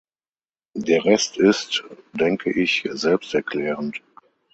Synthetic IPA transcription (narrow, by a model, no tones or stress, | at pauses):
deːɐʁɛstʰɪstd̥ɛŋkʰəʔɪçzɛlpstɛɐkʰl̥ɛːʁənt